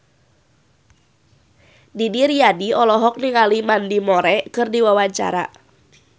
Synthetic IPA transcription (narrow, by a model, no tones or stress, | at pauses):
didiɾiadiɔlɔɦɔk̚niŋalimandimɔɾɛkɨrdiwawaɲt͡ʃa̰ɾa̰